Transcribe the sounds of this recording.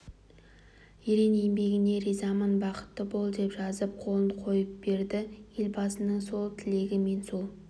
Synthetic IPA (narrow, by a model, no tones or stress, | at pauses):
jeɾenembe̞ɡʲɪne̞ɾizɑmənbɑqə̥t̪ːəbo̞lˠd̪e̞pʒɑzəp̚qʰo̞lˠənqʰo̞jəp̚b̥e̞ɾd̪ɪje̞lbɑsənəɴso̞lˠt̪ʰɪle̞ɡʲɪme̞nsolˠ